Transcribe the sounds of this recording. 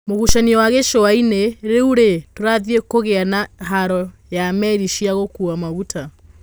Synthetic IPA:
moɣuʃaniɔwaɣeʃowaineɾeuɾetoɾaðiekoɣeanaɦaɾɔjamɛɾiʃiaɣokuamaɣutʰa

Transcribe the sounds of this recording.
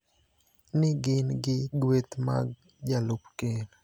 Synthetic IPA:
nɪɡɪnɡɪɡwet̪ma̰ɡ | d͡ʒalopkel

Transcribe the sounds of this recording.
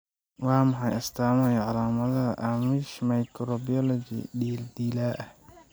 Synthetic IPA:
wɑːmɑħɑjɐst̪ʰaːmɛjɐʕɑlaːmɐðɐɦɐʔamɪʃmɐjkʰɾɔbɪjɔlɔt͡ʃɪ̰ɖiːld̪iːlaːʔɐh

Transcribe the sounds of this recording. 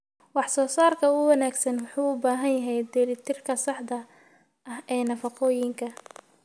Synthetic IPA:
wɑħsɔːsaːrkʰɐʊwɐnaːɡsɐnwʊħuːʊbaːɦɐnjɐɦɛjd̪ɛlɪt̪ʰɪrkʰɐsɑħd̪ɐ | ʔɐhɛːnɐfɑqɔːjɪŋkʰɐ

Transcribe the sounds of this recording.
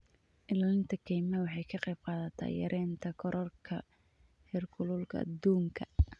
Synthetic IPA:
ʔɪlaːlɪnt̪ʰɐkʰɛjmɐwɑħɑjkʰɐqɛjb̥̚qɑːðɐt̪ʰa̰ːjɐ̰ɾʔɛːnt̪ʰɐkʰɔɾʔɔrkʰɐ | hɪrkʰʊlʊlkʰɐ̰ɐ̰d̪uːŋkʰɐ

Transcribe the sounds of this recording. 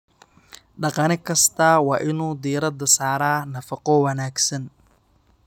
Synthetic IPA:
ɖɑqɑnɪkʰɐst̪ʰɐwɑːʔɪnuːd̪iːɾɐd̪ɐsaːɾaːnɐfɑqɔwɐnaːɡsɐn

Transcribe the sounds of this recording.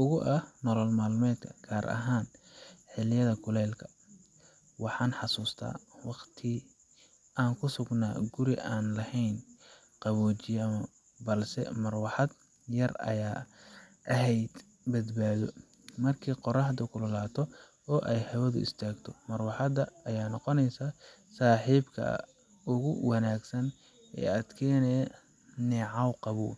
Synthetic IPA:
ʔʊɣʊʔɐhnɔlɔlmaːlmɛːd̪kʰɐɡ̥ʰaːɾʔɐ̰ɦaːnħɪlɪjɐðɐkʰʊlɛːlkʰɐ̥ | wɑħɑːnħɑsuːst̪ʰa̰ːwɑqt̪ʰɪ | ʔaːŋkʰʊsʊɡna̰ːɡʊɾɪʔaːnlɐhɛjn | qɑβɔːt͡ʃɪɐmɐ | bɐlsɛ̰mɐrwɑħɑd̪ | jɐrɐ̰jaː | ʔɐɦɛjd̪ | bɐd̪baːðɔ | mɐrkʰiːqɔɾɑħd̪ʊkʰʊlɐlaːt̪ʰɔ | ɔːʔɛjhɐwɐðʊɪ̰st̪ʰaːɡt̪ʰɔmɐrwɑħɑd̪ɐɐjaːnɔqɔnɛjsaː | saːħiːbkʰɐ̰ | ʊɣʊwɑnaːɡsɐn | ɛ̰ːaːd̪kʰɛːnɛ | nɛːʕɑwqɑβuː

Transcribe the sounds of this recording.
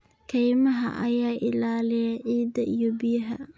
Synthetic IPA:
kʰɛjmɐɦɐ̰ʔɐ̰jaːʔɪlaːlɪjɐʕiːd̪ɐʔijɔbɪjɐɦɐ

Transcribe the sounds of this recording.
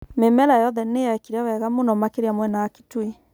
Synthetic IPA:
memɛlajɔðɛnejaɛkiɾawɛɣamonɔmakeɾiamwɛnaːki̥twi

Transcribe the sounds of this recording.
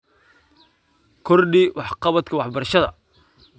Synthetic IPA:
kʰɔrɖiwɑħqɑβɐt̪kʰɐwɑħbɐrʃɐðɐ̰

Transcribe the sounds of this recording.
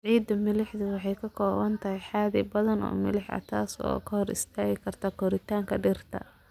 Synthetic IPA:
ʕiːd̪ɐmɪlɪħðʊwɑħɑjkʰɐkʰɔːβɐnt̪ʰɐɦɛjħaːðɪbɐðɐnɔ̰ːmɪ̰lɪħɐ̰t̪ʰa̰ːsɔ̰ːkʰɐhɔɾɪ̰st̪ʰaːɣɪkʰɐrt̪ʰɐkʰɔɾɪt̪ʰaːŋkʰɐɖɪrt̪ʰɐ̰

